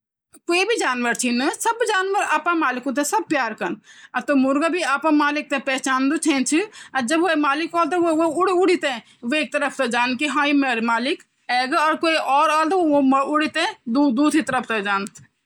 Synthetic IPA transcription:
koːibʱid͡ʒaːnʋəɾt͡ʃʰinɨsɐbd͡ʒaːnʋəɾaːpãmaːlɪkũt̪̬ɛ̃sɐb̚pjaːɾkɐnɐt̪omʊɾɡabʱiaːpãmaːlɪk̚t̪ẽpɛːt͡ʃaːnd̪ut͡ʃʰẽːnt͡ʃʰiɐd͡ʒɐbʋoemaːlɪkɔːlt̪̬ɐʋoʋoʊɽʊɽit̪ẽ | ʋeːk̚t̪ɐɾəpʰt̪ɐd͡ʒaːnkiɦãːimeɾmaːlɪk | ɛːɡɔːɾkoːiʔɔːɾaːlt̪oomʊɽit̪ẽd̪ud̪uːd̪it̪ɐɾəpʰt̪ɐd͡ʒaːnt̪

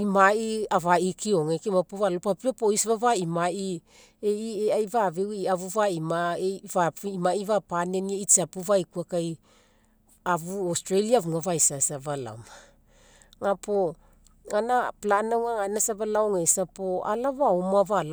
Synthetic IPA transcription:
imaiavaikioŋekimapoβalopapiapoisβavaimai | eieajvavewiaβuvaimaevaimaivapanenieit͡ʃapuvajkuakaj | aβuostɾeliavuŋavaisasaβala̰m | ŋapo | anaplanawŋaŋanasaβalaoŋesapoa̰laβaumaval

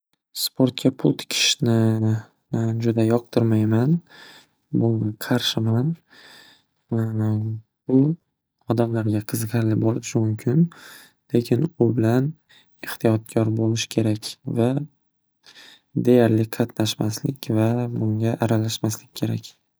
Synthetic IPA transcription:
spʰo̞ɾt̪̚kʲʰapʰʊlˠt̪ʰɪ̥kʲʰɪ̥ʃnɪ | d͡ʒʊd̪ajɒq̚t̪ʰʊɾmajman | bʊŋaqʰɑɾʃɪman | bʊ | ɒd̪amlaɾɡʲaqʰɨzqʰɑɾlɪbolˠɪpʃɪmʊmkʲʰɪn | le̞kʲʰɪnʊbɪlan | eht̪ʰijɒt̪̚kʲʰɒɾbolɪʃkʲʰe̞ɾakʲva | d̪e̞jaɾlɪqʰɑt̪ʰnaʃmaslɪkʲvabʊŋɡʲaʔaɾalaʃmaslɪkʲːʰe̞ɾakʲ

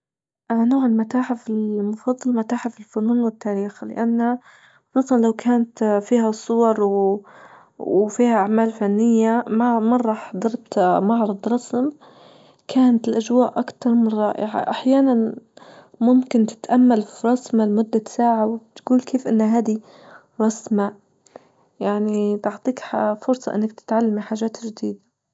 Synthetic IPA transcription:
ʔnoːʕɪlmat̪aːħɪfɪlmʊfɑd̪ˤːɑlmat̪aːħɪfɪlfʊluːnwɪt̪ːaːɾiːxlɪ̰ʔanːa | xʊsˤuːsˤɑnlawkʰaːnat̪fiːhasˤːʊwɑɾˤw | wfiːhaʔaʕmaːlfanːɪjːamamɑrˤːɑːħd̪ɑɾˤt̪mɑʕɾˤɑd̪ˤɾˤɑsm | kʰaːnat̪ɪlʔaʒwaːʔʔakt̪ɑɾˤmɪnrˤːɑ̰ːʔɪ̰ʕa̰ʔaħjaːnan | mʊmkɪnt̪ɪ̥t̪ʔamːalfiɾˤɑsmalmʊd̪ːasaːʕawt̪ɡuːlkeːfʔɪnːaɦaːd̪i | ɾˤɑsma | jaʕnit̪ʊʕt̪ˤiːkfʊɾsˤɑʔɪ̰nːak̚t̪ɪ̥t̪ʕalːamiħaːʒaːt̪ʒd̪iːd̪a

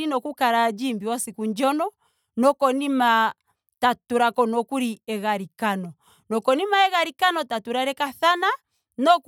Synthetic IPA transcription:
inɔkukaɾad͡ʒimbiwasikuɲd͡ʒɔnɔ | nɔkɔnima | tatuɾakɔnɔkuɾiɛɣaɾikanɔ | nɔkɔnimaɛɣaɾikanɔtatuɾaɾɛkaθana | nɔk

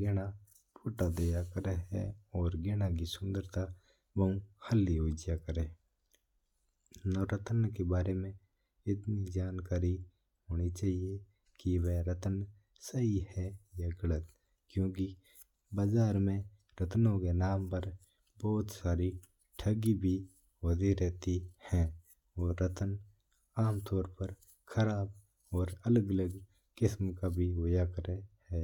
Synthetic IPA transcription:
ɡeɽ̃a | pʰoːʈad̪eːjakəɾəɦɛ̰ɔːɾɡeɽ̃ak̬isʊ̃nd̪əɾt̪a | ʋəũhəlːioːd͡ʒjakəɾẽː | nɔɾət̪ənkebaːɾemẽ | ɪt̪nid͡ʒaːnkaːɾi | ɦoːñit͡ʃaːɦie | kiʋeɾət̪ən | səɦihɛjaɡələt̪ | kjõːki | baːzaːɾmẽ | ɾət̪nõkenaːmpəɾ | bɔːt̪saːɾi | ʈʰəɡibʱi | oːd̪eɾɛɦt̪ihɛ̃ː | oːɾət̪ən | aːmt̪ɔːɾpəɾ | kʰəɾaːb | ɔːɾələɡələɡ | kɪsmkabʱiʋojakəɾehɛː

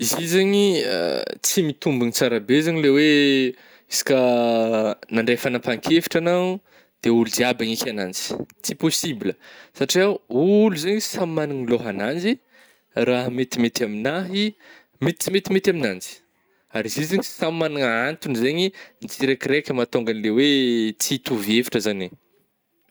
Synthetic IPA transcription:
izizaɲiə̰t͡simit̪umbunit͡saɾabezeɲilewe | isi̥kʲə | naɳɖ͡ʐejfanapaŋkʰefi̥ʈ͡ʂanau | d̪̥eulud͡ziabaŋikʲanand͡zi̥t͡siposibiləsaʈ͡ʂiawuluzeɲisammaniŋloɦanand͡ʒi | raɦmet̪imet̪aminaɦi | met̪i̥t͡simet̪imet̪ʲaminand͡zi̥ | aɾiziziɲisammanaŋant̪unizeɲinit͡siɾekiɾekʲəmat̪oŋɡanilewet͡sit̪uviefi̥ʈ͡ʂəzane

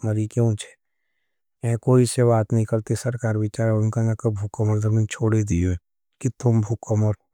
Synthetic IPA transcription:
mɐɾikeʊ̃nt͡ʃʰe̥ | ɛ̃koːiseβaːt̪nɐɦĩkɐɾt̪esɐɾkaːɾbɪt͡ʃaːɾʊnkanakəbʱʊkːəməɾd̪ɐnĩt͡ʃʰoːɽed̪ioẽ | kit̪ʊmbʱʊkːəməɾ

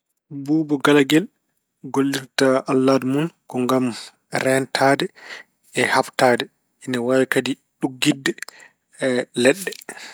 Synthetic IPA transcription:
buːbɔɡalaɡɛl | ɡolːiɾtaalːaːdmunkɔŋɡam | ɾɛntʰaːdɛː | haftaːdɛ | inawajkadi | ɗuɡːidːɛ | lɛɗːɛ

